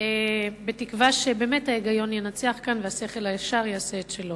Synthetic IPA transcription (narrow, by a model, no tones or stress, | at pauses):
ebe̞tikvaʃebe̞ːmethaeɡajo̞njenat͡seaχkanvease̞χe̞lajaʃaʁjaaːseːtʃelo̞